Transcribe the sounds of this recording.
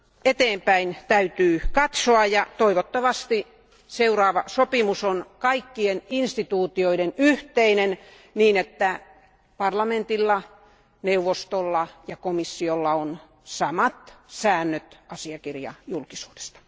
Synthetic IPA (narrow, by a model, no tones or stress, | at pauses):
et̪eːmpæint̪æyt̪yːkɑt̪soɑjɑt̪oiʋot̪ːɑʋɑst̪i | seurɑːʋɑsopimusonkɑikːieninst̪it̪uːt̪ioidenyht̪einen | niːnet̪ːæ | pɑrlɑment̪ilːɑ | neuʋːost̪olːɑjɑkomisːiolːɑon | sɑmɑt̪sæːnːøt̪ɑsiɑkirjɑ̰julkisu̥ːde̥st̪ɑ̥